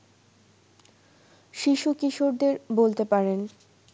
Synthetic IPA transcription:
ʃiʃukiʃoɾd̪eɾbolt̪epaɾen

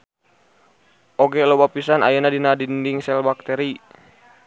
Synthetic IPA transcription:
ʔɔɡɛlobapisana̰janadinadindiŋsɛlbak̚t̪ɛɾi

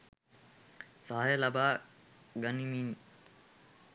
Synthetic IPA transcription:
saːjəlabaː | ɡɐnimin

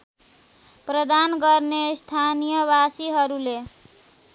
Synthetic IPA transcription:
pɾəd̪anɡʌɾnest̪ʰanijəβasiɦʌɾule

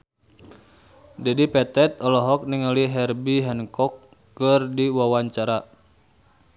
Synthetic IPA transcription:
dɛdipɛt̪ɛt̪̚ɔlɔɦɔk̚niŋaliɦɛrbiɦɛnkɔkː | ɨrdiwawaɲt͡ʃaɾa

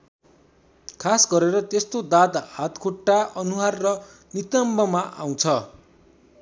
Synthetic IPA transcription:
kʰasɡʌɾeɾʌt̪est̪od̪at̪ɦat̪kʰoʈːaʔʌnuɦarːʌ | nit̪ʌmbʌmaʔa̰w̃t͡sʰʌ

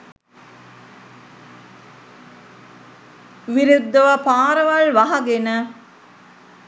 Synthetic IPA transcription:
ʋiɾud̪ːɐʋɐpaːɾɐʋɐɭʋɐɦɐɡenə

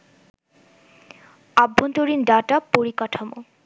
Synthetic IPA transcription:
abʱːont̪oɾinɖaʈapoɾikaʈʰomo

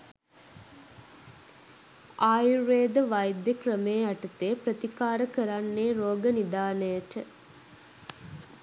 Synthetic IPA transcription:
aːjuɾeːd̪əʋajd̪jəkrəmejaʈət̪eːpɾət̪ikaːɾəkəɾanːeːɾoːɡənid̪aːnəjəʈə

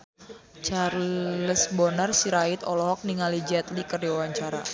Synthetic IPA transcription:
t͡ʃarləsbɔnarsiɾait̪ɔlɔɦɔk̚niŋalid͡ʒɛt̪likərdiwawaɲt͡ʃaɾa̰

